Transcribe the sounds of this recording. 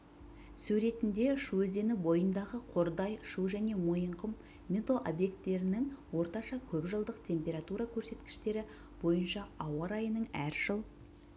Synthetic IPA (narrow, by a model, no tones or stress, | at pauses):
sʉɾe̞t̪ɪnd̪e̞ʃuɵze̞nɪbo̞jənd̪ɑʁəqʰo̞ɾd̪ɑjʃuwʒæne̞mo̞jəɴqəmː | et̪oʔobje̞k̚t̪ːe̞ɾɪnɪŋwo̞ɾt̪ɑʃɑkʲʰɵpʒəlˠd̪əqt̪ʰe̞mpʲe̞ɾat̪uɾɑkʲʰɵɾse̞t̪kʲɪ̥ʃt̪e̞ɾɪ | b̥o̞jənʃɑɑwɑɾɑjənəɴæɾʒ̥əlˠ